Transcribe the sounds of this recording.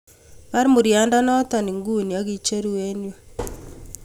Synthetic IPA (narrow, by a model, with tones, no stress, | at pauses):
βa˦ɾimu˨ɾja˨˦nda˦nɔ˦ta˨ni˨ŋɡu˦˨ni˨a˦ɣi˦t͡ʃe˦ɾu˨we˦njo˨